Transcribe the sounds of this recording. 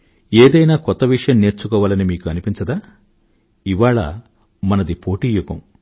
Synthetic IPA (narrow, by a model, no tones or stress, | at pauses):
eːd̪ɐjnaːkɔt̪ːɐʋiʂɐjɐmne̞ːɾt͡ʃukɔːʋaːlɐnimiːkuɐnipiɲt͡ʃɐd̪aː | iʋaːɭɐ̰ | mɐnɐd̪ipo̞ːʈiːjukɐm